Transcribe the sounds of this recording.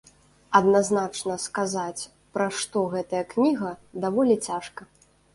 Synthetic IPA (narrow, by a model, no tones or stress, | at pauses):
ɐd̪naznat͡ʂnɐskazat͡sʲ | pɾaʂt̪ɔɣɛt̪ɐjɐknʲiɣɐd̪avɔlʲit͡sʲaʂkɐ